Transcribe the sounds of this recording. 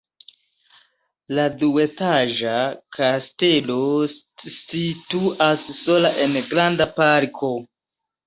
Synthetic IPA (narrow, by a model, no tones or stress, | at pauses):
ladue̞taʒakʰaste̞lo̞ | situasːo̞laʔe̞nɡɾandapaɾkʰo̞